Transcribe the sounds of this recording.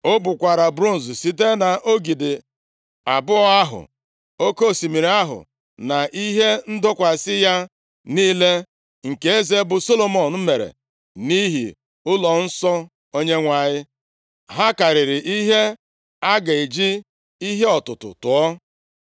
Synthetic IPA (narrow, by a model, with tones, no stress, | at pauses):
o˦bʊ˨kʷa˨ɾa˨bɾu˦˨n̩˨zsi˦t̬e˦na˨ʔo˦ɡi˨dɪ˨ | a˨bʊ˦ɔ˦a˦ɦʊ̰˨ | o˦ko˦˨si˨mi˨ɾa˦ɦʊ̰˨ | na˨ʔi˦ɦe˦n̩˦dɔ˦kʷa˨sɪ˦ja˦ | niː˦le˦ | ŋ̩˨ke˨e˦ze˦bʊ˨so˦lo˨mɔ˨n̩˨m̩˦me˨ɾḛ˨ | ni˦ɦḭ˨ | ʊ˦lɔ˨n̩˦sɔ˦ | o˦ɲe˦ŋʷa˨ɲɪ˦ | ɦa˦ka˨ɾɪ˨ɾɪ˨ʔi˦ɦe˦ | a˦ɡa˨i˨d͡ʒi˦ | i˦ɦe˦ɔ˨tʊ˨tʊ̰˨tʊ˨ɔ˦